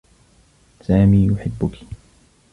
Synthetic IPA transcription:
saːmiːjʊħɪbːʊki̥

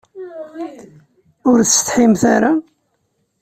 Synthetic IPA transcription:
ʊɾθst̪ħimθaɾa

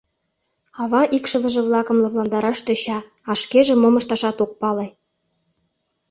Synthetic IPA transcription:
ɑβɑʔikʃɤ̆βə̆ʒĕβlɑkɤ̆mlɑβlɑnd̪ɑɾɑʃt̪ĕɕɑ | ɑʃkeʒĕmomɤ̆ʃt̪ɑʃɑt̪ok̚pɑle

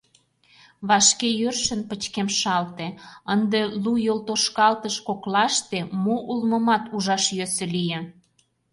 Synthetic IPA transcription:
βɑʃkejørʃənpət͡ɕkemʃɑlt̪eənd̪elujolt̪oʃkɑlt̪əʃkoklɑʃt̪emoʔulməmɑt̪uʒɑʃjøsĕlije

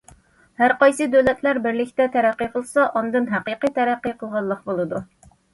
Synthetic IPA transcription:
hæɾqɑjsɨd̪øwlɛt̪ʰlæɾbɪɾlɪkʲt̪ɛt̪ʰæɾæqːijqʰəlˠsɑʔɑnd̪ɨnɦæqiqɨt̪ʰæɾæqːijqʰəlˠʁɑlˠːəqbolˠɨd̪u

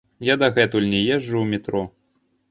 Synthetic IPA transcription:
jad̪ɐɣɛt̪ulʲnʲɛjɛʐːuwmʲit̪ɾɔ

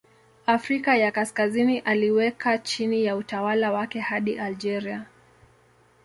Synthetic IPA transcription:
afɾikajakaskaziniʔaliwɛkat͡ʃinijautawalawakɛhaɗiʔald͡ʒɛɾia

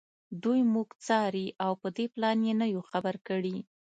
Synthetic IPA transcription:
d̪ujmuɡt͡sɑɾiʔawpəd̪eplɑnjenəjoxabaɾkəɽi

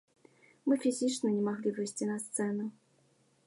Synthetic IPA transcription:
mɨfʲizʲit͡ʂnənʲɛmaɣlʲivɨjsʲtʲinast̪sɛnu

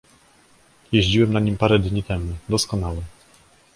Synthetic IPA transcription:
jeʑd͡ʑiwɛmnaɲimpaɾɛd̪ɲit̪ɛmud̪ɔskɔnawɛ

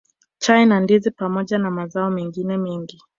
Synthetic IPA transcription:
t͡ʃajnandizipamɔʄanamazaɔmɛŋɡinɛmɛŋɡi

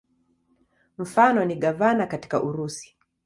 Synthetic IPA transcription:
m̩fanɔniɠavanakati̥kaʔuɾusi̥

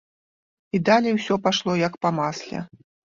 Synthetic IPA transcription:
id̪alʲɛjwsʲɔpaʂlˠɔjɐkpɐmaslʲɛ̰

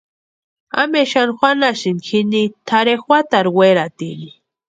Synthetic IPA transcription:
a̰meʃanxʷanasɪnkʰinit̪ʰaɾexwʷat̪aɾweɾat̪ili

